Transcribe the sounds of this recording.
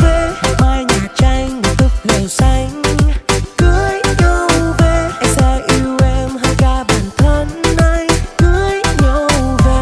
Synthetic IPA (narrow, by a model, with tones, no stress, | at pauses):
ve˧˦ha˨˩maː˧jɲi˨˩t͡ɕa˧jŋ̟mo˨˩t̪ɨ˦˥k̚lə˨˩wsa˧jŋ̟ | kɨ˨˦əjɲo˧˩wve˨˧˩ɛ˧saː˧jʔi˧ɛ˧mha˧jkaː˧ɓə˨˩nt̪ʰə˧nːa˧jkɨ˨˦əjɲo˧˩wve˧˩